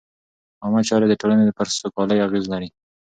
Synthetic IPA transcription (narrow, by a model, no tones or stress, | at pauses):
ɑmat͡ʃɑɾed̪əʈolaned̪əpaɾsokɑləjaɣezlaɾi